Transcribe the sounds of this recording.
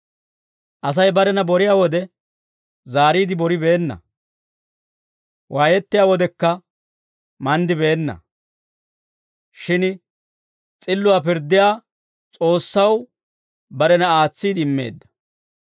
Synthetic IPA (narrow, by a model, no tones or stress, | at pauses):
ʔɐs̬ɐjbɐɾɛnɐbɔɾɪjaːwɔd̪ɛ | zaːɾiːd̪ɪbɔɾɪbe̞ːnːɐ̰ | wʔaːjɛt̪ːɪjaːwɔd̪ɛkːɐ | mɐnd̪ɪbe̞ːnːɐ̰ | ʃɪn | t͡sʼɪlːʊwaːpɪɾd̪ːɪjaː | t͡sʼo̞ːsːɐw | bɐɾɛnɐaːt͡sːiːd̪ɪɪmːe̞̰ːd̪ːɐ̥